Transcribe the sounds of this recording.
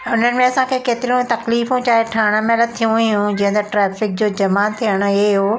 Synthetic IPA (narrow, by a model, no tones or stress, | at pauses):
ʊn̤ənɪ̆mẽɐsãkʰekeːt̪ɪɾiũt̪ɐkliːfũt͡ɕaːɦeʈʰaːɽ̃əmẽlɐd̪̚t̪ʰijũɦjũd͡ʑĩːɦə̃nd̪ɐʈɾɛːfɪk̚d͡ʑoːd͡ʑɐmaːt̪ʰijəɽ̃ʊo